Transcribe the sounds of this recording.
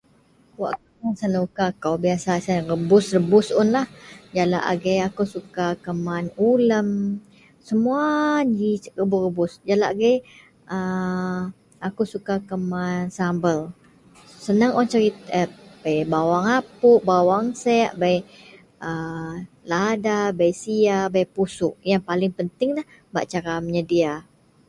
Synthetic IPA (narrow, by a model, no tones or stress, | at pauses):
wa̰ʔkamansanukakawbiasasarəbʊsrəbʊsʊnlahd͡ʒala̰ʔɡəjakawsukakəmanuləm | səmuad͡ʒirəbʊrəbʊsd͡ʒalaʔɡəj | ʔə | akusukakəmansambəl | sənəŋʔɔnt͡ʃəɾit̪əbajbawaŋapʊʔbawaŋsɛʔbaj | ə | ladabajsiabajpusʊʔjaŋpalɪŋpənt̪ɪŋlah | ba̰ʔt͡ʃaɾaməɲədia